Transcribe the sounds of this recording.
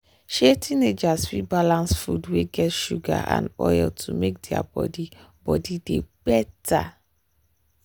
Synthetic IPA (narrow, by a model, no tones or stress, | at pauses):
ʃetʰined͡ʒasfibalãnsfudweɡɛtʃuɡa̰ʔã̰nɔjɛltʰumek̚dia̰bɔdi | b̥ɔdideb̥ɛtʰa